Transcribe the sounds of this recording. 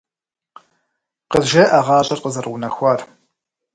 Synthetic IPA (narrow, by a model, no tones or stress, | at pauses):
qəzʒɐːʔɐʁɑːɕʼɐrqəzɐrʁʷʊnɐxʷɑːr